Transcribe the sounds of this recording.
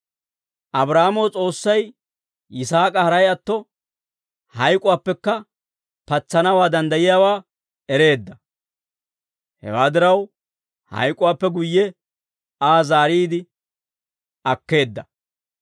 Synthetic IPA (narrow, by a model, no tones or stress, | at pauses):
ʔɐbɾaːmɔwt͡sʼo̞ːsːɐj | ɪsaːkʼɐhɐɾɐjɐt̪ːɔ | hɐjkʼʊwaːpːɛkːɐ | pɐt͡sːɐnɐwaːd̪ɐnd̪ɐjɪjaːwaː | ɛɾe̞ːd̪ːɐ | hɛ̰waːd̪ɪɾɐw | hɐ̰jkʼʊwaːpːɛɡʊjːɛ | aːzaːɾiːd̪ɪ | ɐkːe̞ːd̪ːɐ